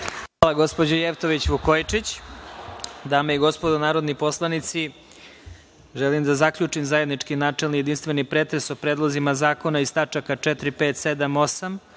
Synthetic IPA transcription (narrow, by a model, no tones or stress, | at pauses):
xʋaːlˠaɡo̞spo̞d͡ʑojeft̪o̞ʋit͡ɕʋukojt͡ʂit͡ɕ | d̪aːmeiɡo̞spod̪onaːɾo̞d̪nipo̞slˠanit̪si | ʒelimd̪azakʎut͡ʂimzaje̞d̪nit͡ʂkinaːt͡ʂelˠnijed̪inst̪ʋenipɾeːt̪ɾesopɾeːd̪lˠozimazaːko̞naist̪at͡ʂakat͡ʂɛt̪ɾipeːt̪sed̪amo̞sam